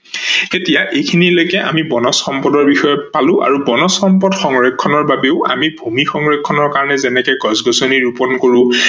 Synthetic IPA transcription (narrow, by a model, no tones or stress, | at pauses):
etijaʔekʰinilojkɛʔa̰mibɔnɔsxɔmpɔdɔɹbixɔjɔpalʊ̃ʔa̰ɹubɔnɔsxɔmpɔdxɔŋɹekʰːɔnɔɹbabeʊa̰mibʱumixɔŋɹekʰːɔnɔɹkaɹɔnɛzɛnɛkɛɡɔzɡɔsɔniɹupɔnkoɹũ